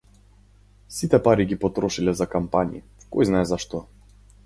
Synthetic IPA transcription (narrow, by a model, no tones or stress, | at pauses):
sit̪ɛpaɾiɡipɔt̪ɾɔʃilɛzakampanḭ | kɔ̰jznaɛzaʃt̪ɔ